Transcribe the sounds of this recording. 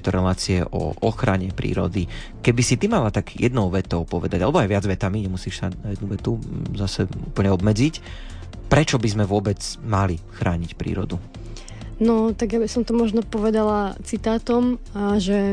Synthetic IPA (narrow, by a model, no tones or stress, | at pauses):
t̪ɔɾɛlaːt͡siɛʔɔ̰ʔɔxɾaɲɛpɾḭːɾɔ̰d̪i | kɛbisit̪imalat̪aɡjɛd̪nɔʊʋɛt̪ɔʊpɔʋɛd̪aɟalɛbɔajʋɪad͡zʋɛt̪amiɲɛmusiːʃsanajɛd̪nuʋɛt̪uzasɛuːpl̩ɲɛɔbmɛd͡zic | pɾɛt͡ʃɔbizmɛʋʊɔbɛt͡smalixɾʔaːɲicpɾḭːɾɔ̰d̪u | nɔt̪aɡjabisɔmt̪ɔmɔʒnɔpɔʋɛd̪alat͡sit̪aːt̪ɔmaʒɛ